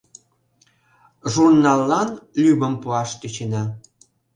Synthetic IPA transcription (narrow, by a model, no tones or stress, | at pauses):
ʒurnɑlːɑnlʲybəmpuɑʃt̪øt͡ɕenɑ